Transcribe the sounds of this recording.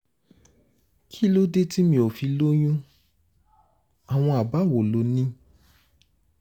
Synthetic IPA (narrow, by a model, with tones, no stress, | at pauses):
kʰi˦lo˦de˦ti˦mĩ˧o˨fi˨˧lo˦j̃ũ˦ | a˨w̃ɔ̃˧a˨ba˨˦˨wo˨lo˨˦nĩ˦